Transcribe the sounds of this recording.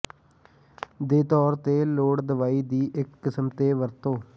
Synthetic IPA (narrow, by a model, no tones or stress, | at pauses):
d̪eːt̪ɔːɾt̪eːloːɽd̪əʋaːiːd̪iːʔɪkːɪsəmt̪eːʋəɾt̪õː